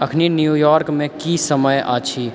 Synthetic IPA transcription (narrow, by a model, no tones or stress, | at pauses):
ɐkʰninjuːjɔːɾkmẽkisəməja̰ːt͡ʃʰi